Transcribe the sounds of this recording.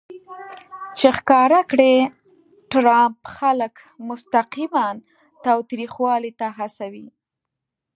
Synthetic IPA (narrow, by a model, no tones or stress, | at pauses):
t͡ʃexkɑɾakɽe | ʈɾampxalək | mʊst̪aqiman | t̪ɑwt̪ɾixwɑlit̪aɦasawi